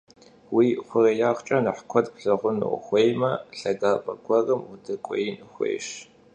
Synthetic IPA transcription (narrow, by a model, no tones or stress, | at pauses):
wiːχʷʊrejaːχt͡ʃʼɐnɨħkʷʰɔtpɬɨʁʷʊnɨ̰xʷejmɐɬɐɡaːpʼɐkʷʰɔrɐmʊdɨkʷʼɔ̰jnɨxʷḛːʃ